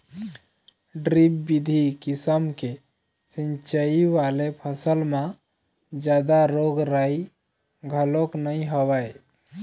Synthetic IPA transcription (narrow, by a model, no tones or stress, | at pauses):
ɖɾipːid̪ʱikisəmke | sint͡ʃəiʋalepʰəsəlma | d͡ʒad̪aɾoɡɾai | ɡʱəloknəjɦobaj